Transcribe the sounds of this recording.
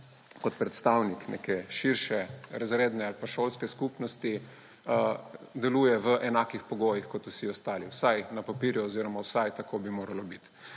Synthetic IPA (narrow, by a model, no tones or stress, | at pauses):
kɔt̪pɾɛt̪st̪awniknḛkɛʃiɾʃɛɾazɾeːd̪nɛalpaʃoːlskɛskupnɔst̪i | d̪ɛluːjɛʋəʔɛnaːkixpɔɡoːjixkɔt̪usiɔst̪aːliwsajnɐpapiːɾjuɔziːɾɔmawsajt̪ɐkʰoːbimoːɾalɔbit̪